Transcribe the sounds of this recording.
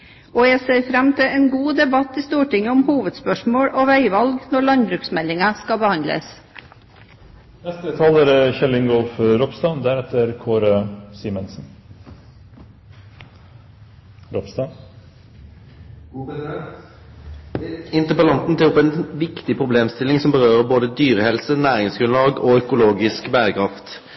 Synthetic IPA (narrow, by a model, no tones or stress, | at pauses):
oːjeseɪfɾɛmt̪ʰɪeːnɡuːd̪ɛbɑt̪ːɪst̪uːʈɪŋːəʊmhuːʋəd̪spœʂmoːɽoːʋæɪʋɑlɡnɔɭɑnbɾʉːksmɛlːɪŋɑskɑbəhɑnd̪lə̰s | nɛst̪ət̪ʰɑləɾçɛlɪŋɡɔlfɾɔpsd̪ɑːnd̪æɾɛt̪əɾkʰoːɾəsiːmənsn̩ | ɾɔpsd̪ɑ | ɪnt̪əpəlɑnt̪n̩t̪ʰɛːɔpːɛnʋɪkt̪ɪpʰʁʊbleːmst̪ɪlɪŋsɔmbəʁøːɾəboːd̪əd̪yːɾəhɛlsənæːɾɪŋsɡɾʉnlɑːɡoːœkʊloːɡɪskbæːɾəkʰɾɑft̪